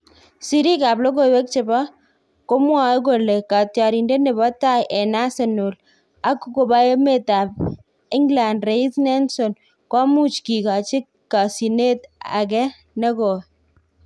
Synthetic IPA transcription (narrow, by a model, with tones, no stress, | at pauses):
si˨ɾi˦ka˨blo˦k̬o˦˨wɛ˦k̚t͡ʃɪ˨ba˦ | ko˦mwa˨˦k̬o˨le˨ka˨tja˨ɾi˨nde˦ne˨bɔ˦ta˦jʔɛ˨na˦se˨no˨l | a˨˦ku˦ko˨ba˦e˦me˦˨ta˨b̚ | ɪ˦ŋɡla˨ndre˨i˦snɛ˦nso˨n | kwa˦mu˦t͡ʃki˨ka˨t͡ʃɪ˦kːa˨si˨ne˦ta̰˨k̬ɛ˦ | ne˦ko˨